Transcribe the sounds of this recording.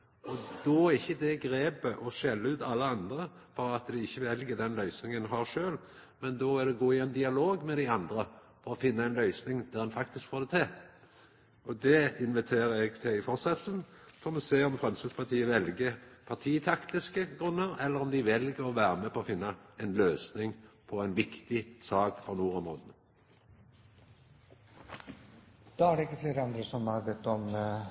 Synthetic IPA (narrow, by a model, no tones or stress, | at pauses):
ɔd̪ɔæɪçːəd̪ɛɡɾeːpəʔɔʃɛlːəʉːt̪ʰɑlːəɑnd̪ɾəfɔɾɑt̪d̪ɪɪçːəʋɛlɡəd̪ɛnlœʏsnɪŋənɦɑʁʂøːl | mɛnd̪ɔɛd̪ɛɡoːɪɛnd̪ɪɑloːɡmɛd̪æɪɑnd̪ɾə | fɔɾɔfɪnːɑɛnlœʏsnɪŋd̪æʁɛnfɑk̚t̪ɪskfoːd̪ɛt̪ʰeː | ɔd̪ɛɪnʋɪt̪ʰeːɾɛɡt̪ʰɪɪfɔʁsɑt̪l̩snfɔʁmɛseːɔmfʁɛmsəspʰɑt̪ʰiːəʋɛlɡəpʰɑʁt̪ʰiːt̪ʰɑkt̪ɪskəɡʁʉnːəʁɛlːəʁɔmd̪ɪʋɛlɡəɾɔʋæːʁəmɛːpʰɔɔfɪnːɑɛnløːsnɪŋpʰɔɛɪnʋɪkt̪ɪsɑːkfɔnuːʁɔmʁoːd̪ənə | d̪̥ɑːæɖɛɪkːəfleːɾəɑnd̪ɾəsɔmhɑɾbɛt̪ːɔm